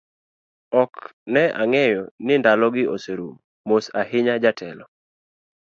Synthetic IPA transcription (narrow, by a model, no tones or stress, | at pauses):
ɔknɛʔa̰ŋɛjɔnɪndalɔɡɪoseɾum | mosahɪɲad͡ʒatʰɛlɔ